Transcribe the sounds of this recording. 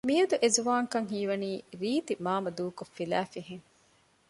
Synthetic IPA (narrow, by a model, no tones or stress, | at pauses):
mijɐd̪uʔezuʋaːŋkɐŋɦiːʋɐniːɾiːt̪imaːmɐd̪uːkofːilæːfiɦeŋ